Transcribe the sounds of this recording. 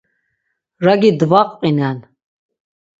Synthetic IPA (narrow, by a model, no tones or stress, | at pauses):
ɾaɡid̪vaqʼqʼinɛn